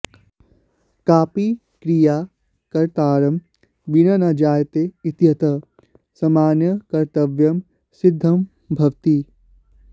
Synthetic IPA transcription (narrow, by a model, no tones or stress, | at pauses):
kaːpi | kɾijaː | kɐɾt̪aːɾɐm | ʋinɐnɐd͡ʒaːjt̪eit̪jɐt̪ɐ | sɐmaːnjɐkɐɾt̪ɐʋjɐm | sid̪ʱːɐm | bʱɐʋt̪i